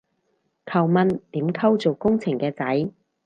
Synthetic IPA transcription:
kʰɐ˨˩wmɐ˧nt̪iː˨˥mkʰɐ˥wt͡so˨˩wkʊ˥ŋt͡sʰɪ˨˩ŋkɛː˧t͡sɐ˨˥j

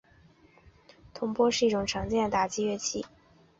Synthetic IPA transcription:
t̪ʰʊ˧˥ŋpwɔ˥ʂɻ̩˥˧i˥˩ʈ͡ʂʊ˨˩ŋʈ͡ʂʰɑ˧˥ŋt͡ɕjɛ˥˩nd̪ə˩t̪a˨˩t͡ɕi˥ɥɛ˥˧t͡ɕʰi˥˩

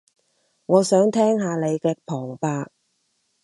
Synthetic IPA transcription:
ŋɔː˨˧sœː˨˥ŋt̪ʰɛː˥ŋɦaː˧le˨˧jkɛː˧pʰɔː˨˩ŋpaː˧k̚

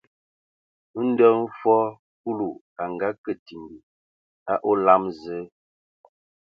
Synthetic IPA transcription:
n̩˦də˦m˦fɔ˦ | ku˦lu˨ | a˨ŋ˨ɡa˨˦kə˨ti˨m˨bi˨ | a˦ʔo˦la˦mzə˨˦

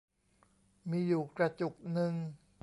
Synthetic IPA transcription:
miː˧juː˨˩kɾa˧t͡ɕu˨˩k̚nɯ˧ŋ

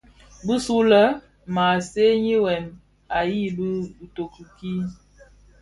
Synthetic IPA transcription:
bu˦su˦lə˦ | ma˨se˦ɲi˦wɛ˨n | a˨ji˦˨lu˦bu˨to˨ku˨ki˦

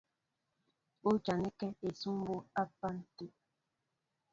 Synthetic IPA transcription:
o˦t͡ʃa˨nɛ˦kɛ˦e˨su˦m˦bo˦a˦pa˦n̩˦ti˦

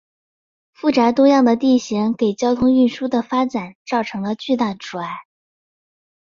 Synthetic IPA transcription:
fu˥˩ʈ͡ʂa˧˥t̪wɔ˥jɑ˥˩ŋd̪ə˩t̪i˥˩ɕi˧˥ŋke˨˩ɪt͡ɕjɑ˥ʊt̪ʰʊ˥ŋy˥˩nʂu˥d̪ə˨fa˥ʈ͡ʂa˨˩˦nt͡sɑ˥˩ʊʈ͡ʂʰɤ˧˥ŋlə˧t͡ɕy˥˧t̪a˥˩ʈ͡ʂu˨˩a˧˥˦ɪ

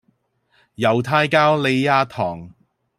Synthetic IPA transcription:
jɐ˨˩wt̪ʰaː˧jkaː˥wle˨˧jaː˧t̪ʰɔː˨˩ŋ

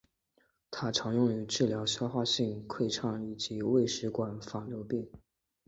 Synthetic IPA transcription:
t̪ʰa˥ʈ͡ʂʰɑ˧˥ŋjʊ˥˩ŋy˧˥ʈ͡ʂɻ̩˥˩ljɑ˧˥ʊɕjɑ˥ʊxwa˥˧ɕi˥˧ŋkʰwe˥˧ɪʈ͡ʂʰɑ˥˩ŋi˨˩t͡ɕi˧˥we˥˩ɪʂɻ̩˧˥kwa˨˩nfa˨˩ljo˧˥ʊpi˥˩ŋ

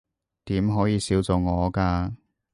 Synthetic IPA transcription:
t̪iː˨˥mɦɔː˨˥jiː˨˧siː˨˥wt͡so˨˩ŋɔː˨˧kaː˧

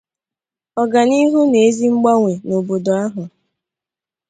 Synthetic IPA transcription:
ɔ˨ɡa˨ni˦ɦu˦ne˨e˦zi˦ŋ͡m̩˦ɡ͡ba˦ŋʷe˨no˨bo˨do˨a˦ɦʊ˨

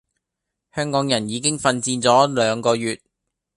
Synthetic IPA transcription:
hœː˥ŋkɔː˨˥ŋjɐ˨˩njiː˨˧kɪ˥ŋfɐ˧nt͡siː˧nt͡sɔː˨˥lœː˨˧ŋkɔː˧jyː˨t̚

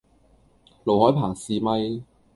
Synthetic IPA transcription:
lo˨˩whɔː˨˥jpʰaː˨˩ŋsiː˨mɐ˧j

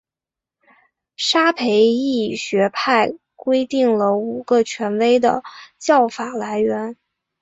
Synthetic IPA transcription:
ʂa˥pʰe˧˥ɪi˥˩ɕɥɛ˧˥pʰa˥˩ɪ | kwe˥ɪt̪i˥˩ŋlə˩u˨˩ɡ̥ə˧t͡ɕʰɥɛ˧˥nwe˥ɪd̪ə̰˩t͡ɕjɑ˥˩ʊfa˨˩la˧˥ɪɥɛ˧˥n

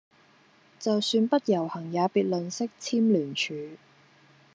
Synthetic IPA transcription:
t͡sɐ˨wsyː˧npɐ˥t̚jɐ˨˩whɐ˨˩ŋjaː˨˧piː˨t̚lɵ˨nsɪ˥k̚t͡sʰiː˥mlyː˨˩nt͡ʃʰyː˨˧

